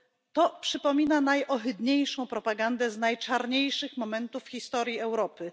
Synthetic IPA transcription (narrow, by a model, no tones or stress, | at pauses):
t̪ɔpʂɘpɔmʲinanajʔɔxɘd̪ɲejʂɔ̃w̃pɾɔpaɡand̪ɛznajt͡ʂaɾɲejʂɘxmɔmɛnt̪ufxʲist̪ɔɾʲjiɛwɾɔpɘ